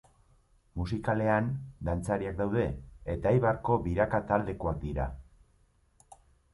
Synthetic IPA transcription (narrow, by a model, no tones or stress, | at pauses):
musikale̞and̪ant͡saɾiak̚d̪awð̞e̞ːt̪ajβarko̞βiɾakat̪ald̪e̞koak̚d̪iɾa̰